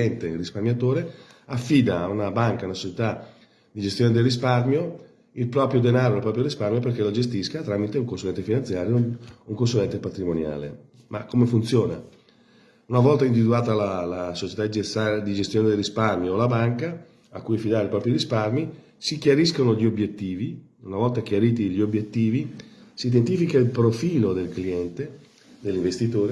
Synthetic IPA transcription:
ɛnt̪erisparmjat̪oːɾeafːiːd̪aːunabaŋkaunasot͡ʃet̪a | d̪id͡ʒest̪joːned̪elːis̬parmjo | ilpɾɔːpɾjod̪enaːɾoelpɾɔːpɾjoɾisparmjoperk̟elod͡ʒest̪iskat̪ɾaːmit̪euŋkonsulɛnt̪efinant̪sjaːɾjouŋkonsulɛnt̪epat̪ɾimonja̰ːlḛ | ma̰kːomefunt̪sjɔːna̰ | unavɔlt̪aind̪ivid̪uaːt̪alalasot͡ʃe̥t̪aiead̪id͡ʒest̪joːned̪elrisparmjoːlabaŋka | akːuːjafid̪aːɾeipɾɔːpɾiɾisparmi | sikjaɾiskonoʎiobjet̪ːiːvi | unavɔlt̪akjaɾiːt̪iʎiobjet̪ːiːvisiːd̪ent̪ifikailpɾofiːlod̪elkliɛnt̪e | d̪elːiɱvest̪it̪oːɾe

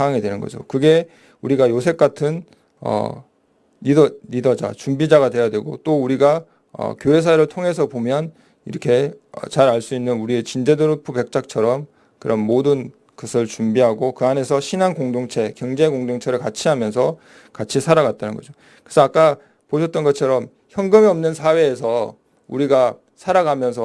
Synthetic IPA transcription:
aŋaŋidwe̞nɯnɡʌ̰d͡ʑo̰kɯɡe̞ | uɾiɡajosʰe̞k̚k͈atʰɯn | ʌ̰ | niʌnidʌd͡ʑa̰t͡ɕumbid͡ʑaɡadwe̞jadwe̞ɡo̰t͈ouɾiɡa | ʌ̰kjoe̞s̬ʰaeɾɯɭtʰoŋe̞s̬ʰʌpomjʌn | ḭɾʌkʰe̞ʌ̰t͡ɕaɾaɭs͈uinːɯnuɾiet͡ɕind͡ʑe̞dɯɾɯpʰupe̞k̚t͡ɕ͈ak̚t͡ɕʰʌɾʌm | kɯɾʌnmodɯn | kɯsʰɯɭt͡ɕumbiɦaɡokɯane̞sʰʌɕʰinankoŋdoŋt͡ɕʰe̞kjʌŋd͡ʑe̞koŋdoŋt͡ɕʰe̞ɾɯɭkat͡ɕʰiɦamjʌns̬ʰʌ | kat͡ɕʰisʰaɾaɡat̚t͈anɯnŋɡʌ̰d͡ʑo | kesʰʌak͈a | poɕʰʌt̚t͈ʌnɡʌt͡ɕʰʌɾʌm | çjʌŋɡɯmiʌmnɯnsʰawe̞ːsʰʌ | ṵɾiɡa | sʰaɾaɡamjʌns̬ʰʌ

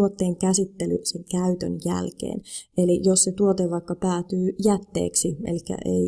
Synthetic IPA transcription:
ot̪ːeːŋkæsit̪ːelyseŋkæyt̪ø̰njæ̰lkḛːnʔelijosset̪uot̪eʋʋɑikːɑpæːt̪yːjæt̪ːḛːksiḛlikːæ̰ʔḛi

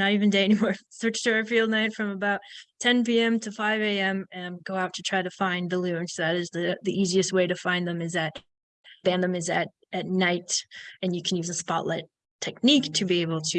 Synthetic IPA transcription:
nəɾivɨ̃ndeɪɛnimɔɹsɜ˞t͡ʃdɔɹɨfilˠdⁿnaɪtfɹʌ̃məbaʊtʰɛ̃npiɛ̃mtʰɨfaɪveɪɛ̃mɨ̃nɡoʊaʊtʰɨtʰɹ̥aɪɾɨfãɪ̃nðəlʉɨ̃nsoʊðɨɾɨzðɨðiʔiziɨst̚weɪɾɨfãɪ̃nðɨ̃mɨzɨɾ | b̥æ̃ndɨ̃mɨzɨɾ | ʔɨtⁿnaɪɾɨ̃njɨkʰn̩jʉzəspɑ̰ʔlɛ̰ttʰ | ɛk̚niktʰɨbieɪbl̩ˠtʰɨ

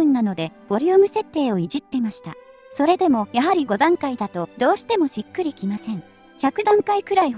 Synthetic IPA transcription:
ɯ̟̃nːano̞d̪e̞b̥o̞ɾʲiɯ̟ːmɯ̟se̞t̪ːe̞ːo̞iʑit̪ːe̞maɕi̥t̪a̰so̞ɾe̞d̪e̞mo̞jaɦaɾʲiɡo̞d̪ãŋkaid̪at̪o̞d̪o̞ːɕi̥t̪e̞mo̞ɕikːɯɾʲikʲimasẽŋ | çakɯ̟d̪ãŋkaikɯ̟ɾaiɦ

